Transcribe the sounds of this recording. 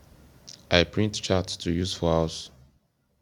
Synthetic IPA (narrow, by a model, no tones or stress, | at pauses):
aɪpʰɹĩntt͡ʃattʰujuz̥fɔaʊs